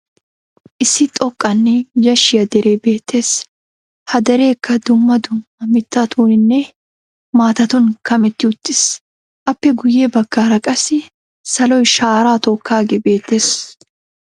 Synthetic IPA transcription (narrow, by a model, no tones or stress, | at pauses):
ʔɪsːɪt̪ʼɔkʼːɐnːɛd͡ʒɐʃːɪjɐd̪ɛɾʔe̞ːbe̞ːt̪ʰːe̞ːs | hɐd̪ɐɾe̞ːkːɐd̪ʊmːɐd̪ʊmːɐmɪt̪ːaːt̪ʰuːnɪnːɛ | maːt̪ɐt̪ɔnkɐmɛt̪ːɪʊt̪ːɪs | ʔɐpːɛɡʊjebɐɡ̥ːaːɾɐkʼɐsɪ | sɐlɔjʃaːɾaːt̪ɔːkːaːɡebe̞ːt̪ːe̞ːs